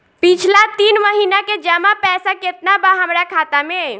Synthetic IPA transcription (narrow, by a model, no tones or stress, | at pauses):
pit͡ʃʰlat̪inməɦinaked͡ʒəmapɛːsaket̪nabaɦəmɾakʰat̪ame